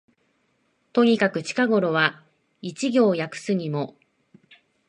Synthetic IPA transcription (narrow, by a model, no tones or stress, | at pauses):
t̪o̞ɲ̟ikakɯ̟t͡ɕi̥kaɡo̞ɾo̞βa | it͡ɕiɡʲo̞ːjakɯ̟̥sɨɲ̟imo̞